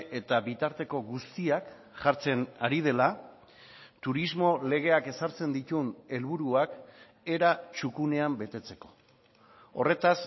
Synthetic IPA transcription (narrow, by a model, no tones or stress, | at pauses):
e̞t̪aβit̪aɾt̪e̞ko̞ɣust̪iakʝaɾt͡se̞naɾið̞e̞la | t̪uɾizmo̞le̞ɣ̞e̞ake̞saɾt͡se̞nd̪it̪une̞lβuɾuak | e̞ɾat͡ʃukune̞ambe̞t̪e̞t͡se̞̥ko̞̥ | o̞re̞t̪as